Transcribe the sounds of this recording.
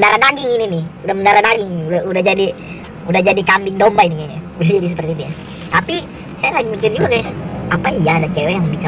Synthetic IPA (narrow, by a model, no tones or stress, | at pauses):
ndaɾadaɡɪŋininɪhudahməndaɾadaɡɪŋnuaudahd͡ʒadi | udahd͡ʒadikambɪŋdɔmbainiŋaɲaudad͡ʒadis̬əpərt̪iːt̪uja | t̪api | sajalaɡimikɪrd͡ʒuɡakajsapaijaːdat͡ʃɛwɛjaŋbisa